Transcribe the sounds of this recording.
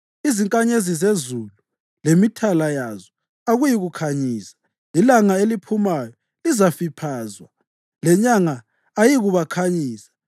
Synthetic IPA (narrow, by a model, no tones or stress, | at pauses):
iziŋkʼaɲezizezulu | lemitʰalajazɔ | aɣujiɣukʰaɲiːsḁ | lilaŋaelipʰumajɔ | lizafipʰaːzwa | lɛɲaŋaː | jiɣuβakʰaɲiːsḁ